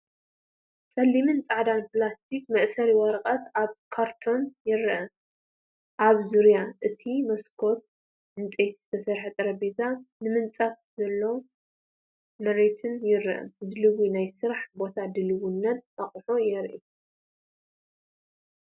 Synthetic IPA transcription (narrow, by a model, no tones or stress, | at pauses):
sʼɐlːimɨnt͡sʼaʕd̪anplast̪ʰikmɐʔsɐɾiwɐɾqʼɐt̪aβkʰaɾt̪ʰo̞njɪɾʔɐ | ʔaβzuɾjaʔɨt̪ʰimɐskʰo̞t̚ | ɨnt͡sʼejt̪z̥ɨt̪ʰɐsɐɾħɐt̪ʼɐɾɐbezanɨmɨnt͡sʼaf | zɐlːow | mɐɾet̪ʰɨnjɪɾɨʔɐ̰md̪ɨlɨwinajsɨɾħbo̞t̪ʰad̪ɨlɨwunːɐt̪̚ʔaχʼħojɛɾʔi